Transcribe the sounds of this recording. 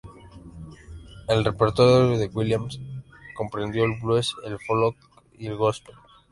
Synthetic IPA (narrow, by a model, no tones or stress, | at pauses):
elrepeɾt̪oɾjooðeɣwiljamsko̞mpɾend̪joelβlweselfolok | ielɣost̪el